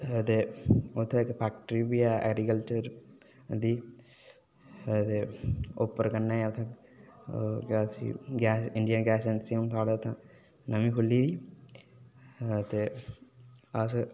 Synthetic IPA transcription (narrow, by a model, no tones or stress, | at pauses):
t̪eot̪ʰːekpʰaːk̚ʈəɾibiaʔɛ̰ɡɾikəlt͡ʃəɾ | d̪i | t̪eopːəɾkɐnːajt̪ʰã | ɡasḭɡaːsɪɳɖijənɡæːsensiunt̪ʰaːɽet̪ʰã | nɐmĩpulːid̪i | t̪e | as